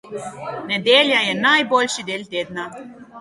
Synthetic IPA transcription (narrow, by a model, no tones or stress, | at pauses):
nɛd̪ʲeːljajɛnajbolʲʃid̪eːlʲt̪ʲeːd̪na